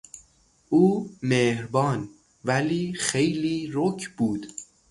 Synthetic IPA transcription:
ʔuːmeːhɾbɒːn | væliːxe̞jliːɾokʰbuːd̪̥

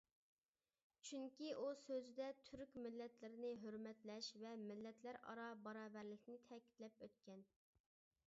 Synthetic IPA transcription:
t͡ʃʰyŋkʲiʔusøzd̪ɛt̪ʰyɾykʲmɪlːɛt̪lɪɾɪnɪɦøɾmɛt̪lɛʃvɛmɪlːɛt̪ʰlæɾɑ̰ɾɑbɑɾɑːvæɾlɪkʲnɪt̪ʰɛkʲi̥t̪lɛpøt̪̚kʲɛn

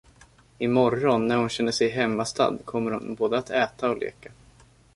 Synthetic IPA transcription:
ɪmɔɾːɔnːæɾhʊnɕɛnːəʂɛjɦɛmːast̪a̰d̪kʰɔmːəɾhʊ̰nboːd̪əat̪ɛːt̪aɔlʔḛːka

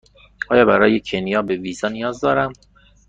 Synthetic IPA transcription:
ʔɒːjɒːbæɾɒːje̞cʰenjɒːbe̞viːzɒːnijɒːzd̪ɒːɾæm

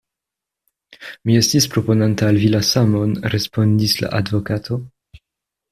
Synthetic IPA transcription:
mie̞stispɾo̞po̞nantaːlvilasamo̞nɾe̞spo̞ndisla̰ʔadvo̞katʰo̞

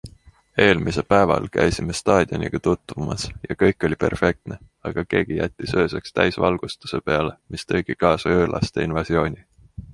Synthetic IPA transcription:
e̞ːlmise̞pæe̞vɑ̰lkæ̰jsime̞st̪ɑːd̪̥ʲio̞nʲḭɡ̥ɑt̪ut̪ːˑvumɑsjɑkɤjkːˑo̞lʲipe̞̰rfe̞k̚t̪ne̞ | ɑɡ̥ɑke̞ːɡ̥ijæt̪ʲːisø̞ːse̞kst̪æjsvɑ̰lɡ̥ust̪u̥se̞pe̞ɑle̞mʔist̪ɤjɡ̥ikɑːsɑøːlʔɑ̰st̪e̞̰invɑsjo̞ːnʲi

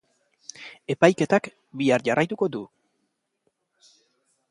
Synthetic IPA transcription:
e̞pajke̞t̪ak | biarʝarajt̪uko̞d̪u

